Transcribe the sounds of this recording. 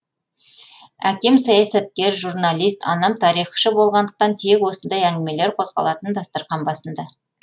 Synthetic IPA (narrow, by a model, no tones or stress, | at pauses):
ækʲe̞msɑjɑsæt̪̚kʲe̞ɾʒuɾnalʲˠijst̪ɑnɑmt̪ʰɑɾijχə̥ʃəbo̞lˠʁɑnd̪əq̚t̪ɑnt̪ʰe̞kwo̞sənd̪ɑjæŋɡʲɪme̞leɾqʰo̞zʁɑ̰lˠɑt̪ənd̪ɑst̪əɾqɑnbɑsənd̪ə